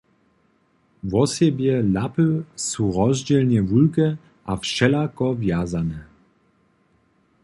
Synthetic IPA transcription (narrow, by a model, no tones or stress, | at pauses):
vɔsjɛbjɛlapəsuɾɔzd͡ʑɛlɲɛvulkɛ | ʔafʃɛlakɔvjazanɛ